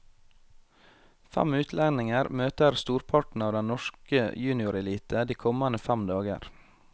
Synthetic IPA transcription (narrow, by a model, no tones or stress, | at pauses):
fæ̰mʉːt̪ʰlænɪŋəɾmøːt̪əɾst̪uːɾpʰɑʈn̩ɑːʋd̪ɛnnɔʃkəjʉːnɪʊɾɛliːt̪ʰəd̪iːkʰɔmɑnəfæmd̪ɑːɡə̰ɾ